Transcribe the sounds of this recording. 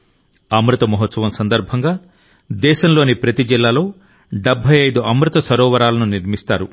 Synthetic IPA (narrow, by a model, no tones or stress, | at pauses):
ɐmɾut̪ɐmɔɦɐt̪sɐʋɐmsɐnd̪ɐɾbʱɐŋɡaː | d̪ɛːʃɐmlo̞ːnipɾɐt̪id͡ʒilːaːlo̞ː | ɖebʱːɐjɐjd̪uɐmɾut̪ɐsɐɾɔːʋɐɾaːlɐnuniɾmist̪a̰ːɾu